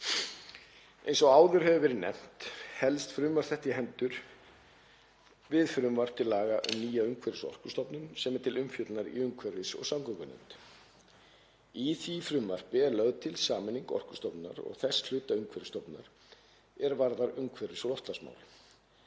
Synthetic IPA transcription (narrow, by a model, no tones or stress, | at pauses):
ḛjnsɔɣaːwðʏɾɦɛvʏvɛːɾɪnɛ̰m̥t̪hɛlst̪fɾʏmvaɾ̥θɛht̪ɪɦɛnt̪ʏɾ̥ | vɪðfɾʏmvar̥p̚t̪ʰɪlaːɣaʔʏ̰mniːjaʏŋkʰvɛɾɪsɔ̰r̥kʏ̥st̪ɔpnʏnsɛmɛɾt̪ʰɪlʏmfjœt̪lnaɾḭʏŋkʰvɛɾvɪsɔ̰ɣsawkɔkʏnʏ̰nt̪ | iθifɾʏmvar̥pɪɛɾlœɣðt̪ʰɪlsaːmɪniŋkɔ̰r̥kʏ̥st̪ɔpna̰ɾɔ̰ɣθɛsl̥ʏːt̪aʏŋkʰvɛɾɪst̪ɔpna̰ɾ̥ | ɛɾvaɾðaɾʏŋkʰvɛɾvɪsɔɣlɔft̪lasma̰ːwlɪ̰